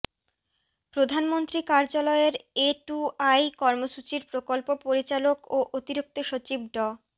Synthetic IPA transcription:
pɾod̪ʱanmont̪ɾikaɾd͡ʑalɔeɾeʈuajkɔɾmoʃut͡ɕiɾpɾokolpopoɾit͡ɕalokoʔot̪iɾuk̚t̪oʃot͡ɕib̚ɖɔ

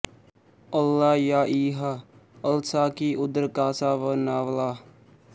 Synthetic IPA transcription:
əlːaːjaːʔiːɦaəlsaːkiːʔʊd̪ɾkaːsaːʋənaːʋlaː

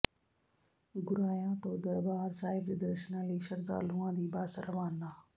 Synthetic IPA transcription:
ɡʊɾaːjãːt̪õːd̪əɾbaːɾsaːɪbɾɪd̪əɾʃənãːləiːʃəɾd̪a̰ːluːãːd̪iːbaːsəɾəʋaːnaː

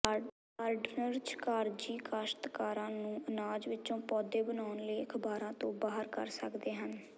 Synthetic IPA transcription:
aːɾɖnəɾt͡ʃkaːɾd͡ʒiːkaʃt̪kaːɾãːnũːʔənaːd͡ʒʋɪtːt͡ʃõːpɔːd̪eːbənaːʊnləiːəkʰbaːɾãːt̪õːbaːɦəɾkə̰ɾsəkd̪eːɦən

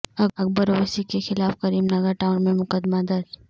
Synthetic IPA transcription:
ɐk̚bəɾoʋəsikexɪlaːfkɐɾiːmnɐɡəɾʈaːʊnmẽmʊkəd̪mad̪ɐɾd͡ʒ

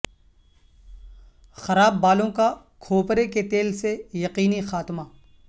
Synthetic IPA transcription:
xɐɾaːbːaːlõka | kʰoːpɾeket̪eːlsejɐqiːnixaːt̪maː

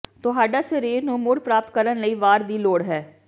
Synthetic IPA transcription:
t̪ʊɦaːɖaːsəɾeːɾnũːmʊɽpɾaːpt̪kəɾənləiːʋaːɾd̪iːloːɽɦɛː

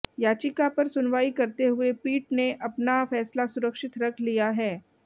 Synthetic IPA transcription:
jaːt͡ʃɪkapɐɾsʊnʋaːikɐɾt̪eɦʊepiːʈneʔɐpnafɛːslasʊɾəkʃɪt̪ɾɐkʰlijaɦɛː

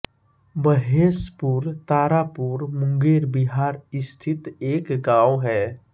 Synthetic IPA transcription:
bəɦeːspuːɾt̪aːɾaːpuːɾmʊ̃ŋɡeːɾbiɦaːɾɪst̪ʰɪt̪eːkɡaːwɦɛː

